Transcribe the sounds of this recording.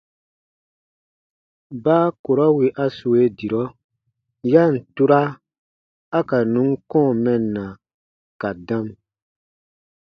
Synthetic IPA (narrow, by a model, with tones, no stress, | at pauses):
baː˦ko˨ɾɔ˦wi˨ʔa˦su˨e˦di˨ɾɔ˦ | ja˦n̩˨tu˦ɾa˦ | a˦ka˨nũ˨˦ŋkɔ̃ː˦˨mɛ˨nːã˨ | ka˨dã˦m